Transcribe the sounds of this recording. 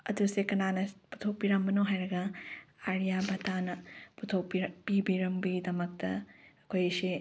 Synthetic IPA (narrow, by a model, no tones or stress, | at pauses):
ɐdusekɐnanɐpu̥tʰok̚piɾɐmbɐnoɦajɾɐɡɐaɾijabʱɐtanɐputʰow̚pipibiɾɐmbɐɡidɐmɐk̚tɐɐkʰojsi